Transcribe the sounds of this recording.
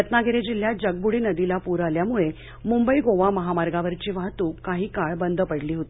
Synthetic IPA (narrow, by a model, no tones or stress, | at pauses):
jət̪naɡʱeɾed͡ʑil̤ːjad͡ʑəɡ̚buɽiːnəd̪ilapuɾaljamuɭe | mumbəiɡoʋaməɦamaɾɡaʋəɾt͡ɕiːʋaɦt̪uːkaɦiːkaɭbənd̪ʱəpəɽliːɦot̪i̥